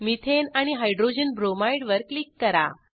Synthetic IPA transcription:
mit̪ʰenaɽ̃iɦajɖɾod͡ʑənbɾomajɽʋəɾklikːəɾa̰

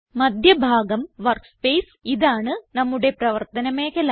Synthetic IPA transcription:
mɐd̪ʱjɐbʱaːɡɐmʋɐrspeːs | iðaːɳɨnɐmːuɽe̞prɐʋɐrt̪ɐnɐmeːkːɐla

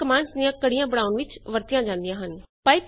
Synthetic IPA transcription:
kəmaːɳɖsd̪ijãːkəɽijãːbəɽaːʊnʋɪt͡ʃʋəɾt̪ijãːd͡ʒãːnd̪ijãːɦənpaːiːp

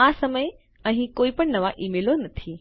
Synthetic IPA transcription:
aːsɐməj | ɐ̃ɦĩkoːipəɽ̃nɐʋaʔiːmeːlonɐt̪ʰiː

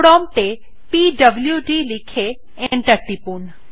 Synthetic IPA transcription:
ɽɔmt̪e | piɖəbljuɖilikʰe | ẽɳʈəɾʈːipun

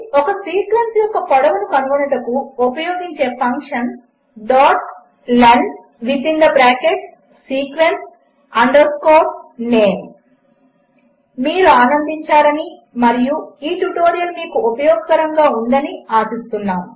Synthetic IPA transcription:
ɔkɐsiːkʋensjɔkːɐpɐɽɐʋunukɐnuɡunɐʈɐkuopɐjoːɡiɲt͡ʃe̞ːpʰɐŋkʂɐn | ɖaːʈ | lɐɳɖ | ʋit̪ind̪ɐbɾaːkeʈ | siːkʋens | ɐɳɖɐɾskoːʈneːn | miːɾuaːnɐnd̪iɲt͡ʃaːɾɐnimɐɾijuiːʈuʈo̞ːɾijɐlmiːkuopɐjɔːɡɐkɐɾɐŋɡaːund̪ɐniaːsist̪unːaːm

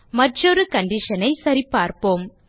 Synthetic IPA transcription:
mɐʈrɔɾɯkɐɳɖɪʂɐnɐɪsɐɾipːaːɾpoːm

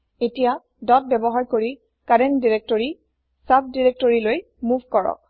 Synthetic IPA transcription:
etija | dɔt̚bɛbɔɦaɹkoɹi | kadɛndiɹek̚tɔɹi | sab̚diɹek̚toɹiloj | muvʱkɔɹɔ̰k̚

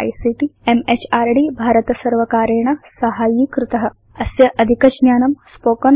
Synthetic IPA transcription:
jsiːʈiemet͡ʃaːɾɖibʱaːɾɐt̪ɐsɐɾʋɐkaːɾeːɳɐsɐɦaːjikɾɪt̪ɐɦɐ | ɐsjɐʔɐd̪ʱikɐd͡ʒnjaːnɐmspoːkɐn

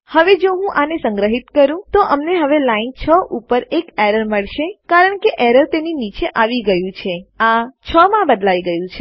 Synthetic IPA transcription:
həʋed͡ʒoɦũʔanesəŋɡɾəɦit̪kəɾũt̪oʔəmneɦəʋelaint͡ʃʰəʔupəɾekeɾəɾməɭʃekaɾəɳkeʔɛɾəɾt̪eninit͡ʃeʔaʋiɡəjũt͡ʃʰeat͡ʃʰəmãbəd̪laiɡəjũt͡ʃʰe

